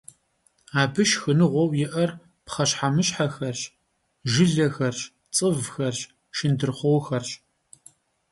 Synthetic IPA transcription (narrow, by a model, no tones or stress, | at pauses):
aːbɨʃxɨnɨʁʷɔwjɪʔɐr | pχɐɕħamɨɕħaxɐrɕ | ʒɪɮɐxɐrɕ | t͡sʼɨvxɐrɕ | ʃɪndɨrχʷɔwxɐrɕ